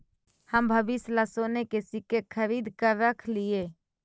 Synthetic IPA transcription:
həmbʱəbɪslasoːnekesɪkekʰəɾiːd̪ʱkəɾɾəkʰlie

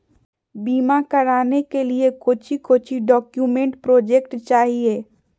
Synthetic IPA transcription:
biːmakɐɾaːnekeliekoːt͡ʃʰikoːt͡ʃʰiɖɔːkjumẽɳʈpɾoːd͡ʒekʈt͡ʃaːɦieː

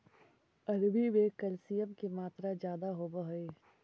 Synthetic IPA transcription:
ɐɾbiʋekɐlsijəmkemaːt̪ɾad͡ʒjaːd̪aɦobəɦeː

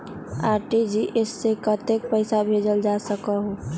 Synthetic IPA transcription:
aːɾʈid͡ʒiʔɪsːekət̪ek̚pəɪsabʱed͡ʒəld͡ʒasəkaɦo

